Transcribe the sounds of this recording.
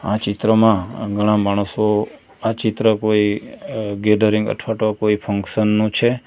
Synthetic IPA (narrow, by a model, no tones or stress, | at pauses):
a̰t͡ʃɪt̪ɾəmãɡʱəɽ̃ãmaɽ̃əso | at͡ʃɪt̪ɾəkoi | ɡeɖəɾĩŋɡə̰ʈʰʋaʈokoipʰəŋkʃənːũt͡ʃʰe